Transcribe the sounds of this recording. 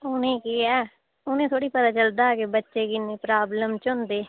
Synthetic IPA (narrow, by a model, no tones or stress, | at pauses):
ʊnẽːkiːɛː | ʊnẽːt̪ʰoːɽiːpət̪aːt͡ʃəld̪aːkebətːʃeːkɪneːpɾaːbləmt͡ʃʊ̃nd̪eː